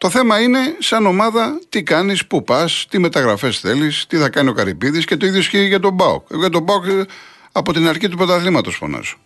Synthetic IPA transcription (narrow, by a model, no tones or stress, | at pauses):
t̪o̞θe̞mɐine̞sɐno̞mɐðɐt̪ikɐnispupɐst̪ime̞t̪ɐɣɾɐfe̞sθe̞list̪iθɐkɐnio̞kɐɾipiðisce̞t̪o̞iðjosçiʝɐt̪o̞bɐo̰kʝɐt̪̬obɐok | ɐpo̞t̪inɐɾçit̪upot̪ɐθlimɐt̪o̞sfo̰nɐ̰so̥